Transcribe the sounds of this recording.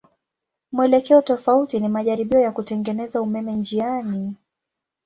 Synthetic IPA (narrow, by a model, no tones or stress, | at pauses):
mwɛlɛkɛɔtɔfautinimaʄaɾiɓiɔjakutɛŋɡɛnɛzaumɛmɛnd͡ʒiani